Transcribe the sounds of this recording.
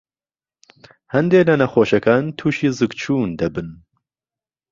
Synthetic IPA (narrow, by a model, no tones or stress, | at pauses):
hɐnd̪eːlɐnɐxoːʃɐkaːnt̪ʰuːʃiːzɨɡt͡ʃʰuːnd̪ɐbɨn